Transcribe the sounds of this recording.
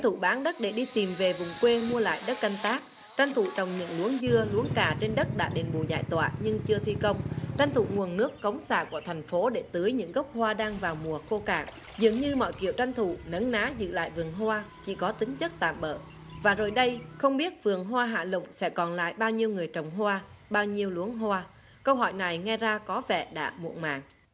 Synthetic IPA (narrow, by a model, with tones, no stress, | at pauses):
t̪ʰu˧˩ɓaː˨˦nɗə˦˥t̚ɗe˧˩ɗi˧t̪i˨˩mve˨˩vʊ˨˩ŋ͡mkwe˧mu˧əla̰ː˧˨jɗə˦˥t̚ka˧jŋ̟t̪aː˦˥k̚ | t͡ɕa˧ŋt̪ʰṵ˧˨t͡ɕə˨˩wŋ͡mɲɨ̰˧˥ŋlu˨˦əŋzɨ˧əlu˨˦əŋkaː˨˩t͡ɕe˧nɗə˦˥t̚ɗa̰ː˧˥ɗe˨˩nɓṵ˧˩˨za̰ː˧˨jt̪wa̰ː˧˨ɲɨ˧ŋt͡ɕɨ˧ət̪ʰi˧kə˧wŋ͡mt͡ɕa˧ŋt̪ʰṵ˧˨ŋu˨˩ənːɨ˦˥əkːə˨˦wŋ͡msa̰ː˧˩ku˧˩ət̪ʰɛ˨˩jŋ̟fo˨˦ɗe˧˩t̪ɨ˨˦əjɲɨ̰˧˥ŋɣə˦˥wk͡p̚hwaː˧ɗaː˧ŋvaː˨˩wmu˨˩əxo˧ka̰ː˧˩ŋ | zɨ̰˨əŋɲɨ˧mɔ̰˧˨jkḭ˧˩˨əwt͡ɕa˧jŋ̟t̪ʰṵ˧˨nə˨˦nnaː˨˦zɨ̰˧˨la̰ː˧˨jvɨ˨˩əŋɦwaː˧t͡ɕḭ˧˩kɔ˨˦t̪ï˨˦ŋ̟t͡ɕə˦˥k̚t̪a̰ː˧˨mɓə̰ː˧˨ | vaː˨˩zo˨˩jɗə˧jxə˧wŋ͡mɓi˦˥ət̚vɨ˨˩əŋɦwaː˧ɦa̰ː˧˨lʊ̰˧˨ŋ͡msɛ̰˧˥kɔ˨˩nla̰ː˧˨jɓaː˧wɲi˧əwŋɨ˨˩əjt͡ɕə˨˩wŋ͡mɦwaː˧ɓaː˧wɲi˧əwlu˨˦ənɦwaː˧ | kə˧wɦɔ˧˩jna˨˩jŋɛ˧zaː˧kɔ˨˦vɛ̰˧˨ɗa̰ː˧˥mṵ˧˨ənma̰ː˨ŋ